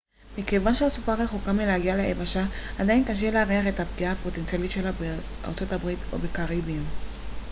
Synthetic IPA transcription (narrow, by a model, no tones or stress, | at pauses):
mikevanʃeasupaʁeχokameleaɡialeʔebaʃaːdainkaʃ̬e̞leaʁiaχe̞tapɡiaːpo̞tent͡sijalit̪ʃelabe | ʔa̰ʁt͡so̞tabʁit̪o̞̰bekaʁibim